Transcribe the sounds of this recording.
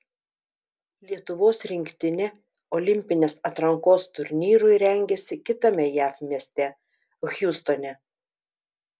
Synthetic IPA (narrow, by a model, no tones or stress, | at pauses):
lʲiɛt̪ʊʋoːsɾʲɪŋʲkt̪ʲɪnʲɛ | ɔlʲɪmʲpʲɪnʲeːsɐt̪ɾɐŋkoːst̪ʊɾʲnʲiːɾʊɪɾʲɛŋʲɡʲɛsʲɪkʲɪt̪ɐmʲɛjæːfmʲnʲiɛsʲt̪ʲɛ | xʲjust̪onʲɛ